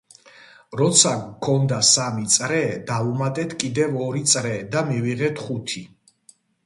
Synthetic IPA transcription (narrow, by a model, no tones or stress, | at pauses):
ɾɔt̪sʰakʰɔnd̪asamit̪sʼɾɛd̪avumat̪ʼɛt̪ʰkʼid̪ɛvɔɾit̪sʼɾɛd̪amiviʁɛt̪ʰχut̪ʰi